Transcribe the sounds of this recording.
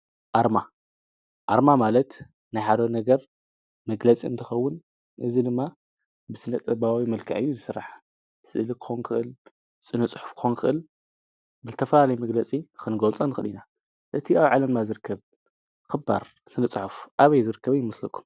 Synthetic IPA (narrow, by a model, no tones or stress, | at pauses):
ʔaɾma | ʔaɾmamalɐt̪ | nɨħad̪onɐɡɐɾ | mɐɡlɐt͡sʼiɨ̰nt̪ʰɨxɐwːʊn | ʔɨzid̪ɨmːa | bɨsɨnɐt̪ʼɐbaawimɐlkʰaʕɨjːuzɨsɨɾːa̰ħ | sɨ̰ʔɨlɨkʰɨ̥xonkʰɨʔɨl | sʼɨnɨt͡sʼħu̥fkʰɨ̥xonkʰɨʔɨl | bɨzɨt̪ʰɐfɐlalɐjmɐɡlɐt͡sʼikʰɨnɡolt͡sʼonɨxɨlina | ʔɨt̪ʰiaβʕalɐmnazɨɾɨkʰːɐβ | kɨba̰ɾ | sʼɨnɨt͡sʼħufʔaβɐjzɨɾɨkʰːɐβjɪmːɐslɐkʰːu̥m